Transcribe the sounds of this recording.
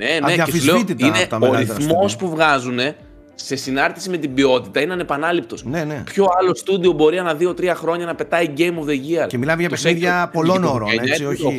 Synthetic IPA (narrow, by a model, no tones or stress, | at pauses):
neneefizleoit̪itinneoɾiθmo̞spuvɣɐzune̞ | se̞sinɐɾt̪i̥sime̞t̪ibio̞t̪it̪ɐineɐne̞pɐnɐlipt̪o̞snenepço̞ɐlo̞st̪ud̪io̞bo̞ɾiɐnɐðio̞t̪ɾiɐxɾo̞ɲɐnɐpe̞t̪ɐiɟe̞jmovðe̞ʝiɐcemilɐmeʝɐp̪pexiðʝɐpo̞lonoɾoeɐsioo